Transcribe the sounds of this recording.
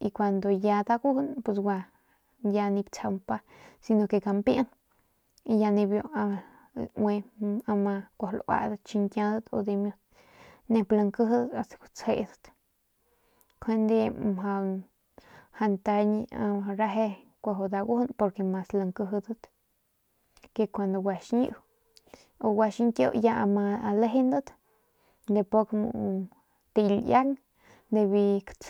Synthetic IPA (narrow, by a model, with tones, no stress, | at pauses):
i˧kʷa˧nd̪o˨ja˧d̪a˦ɡu˦hu˦npʷe˧sɡʷa˧ | ja˧nĩ˧b̚t͡sʰa˧mpa˦ | si˧no˧ke˧ka˧mpja˦n | i˧ja˧nĩ˧bjo˧˨a˧ | we˧a˧mã˧kʷa˧hlʔwa̰˧d̪ə˧t̪̚t͡ʃi˧ŋkjã˧d̪ə˦t̪o̰˧d̪e˧mjo˧t̪ | nẽ˧pla˧ŋkə˦ɦd̪ə˦t̪a˧st̪ḁ˨kʷḁ˧t͡she˧ʔd̪ə̥˦t̪ | kʰe˦nd̪e˦˧mɦa˧ | ha˧nt̪a˧ɲ˧a˧a˧ɾa˧ɦe˦ | kʷa˧ɦo˧d̪a˧ɡu˦npo˧ɾke˧˨ma˨sla˧ŋkə˧ɦd̪ə˦t̪ | ke˧kʷa˨nd̪o˨wa˧˨ʃɲṵ˧ʔ | o˧wa˧ʃi˦ŋkʲjo̰˦ʔja˧ʔa˧ma˧le˦ɦe˦nd̪ə˦t̪ | nd̪e˧po˦˧kmṵ˧ʔ | t̪i˧lja˦ŋ | nd̪e˧βi˧kt͡s